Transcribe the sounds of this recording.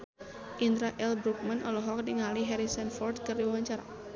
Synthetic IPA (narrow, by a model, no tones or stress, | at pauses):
ʔind̪ɾaʔɛlbɾuk̚manɔlɔɦɔk̚diŋaliɦɛɾisɛnfɔrdkɨrdiwawaɲt͡ʃaɾa̰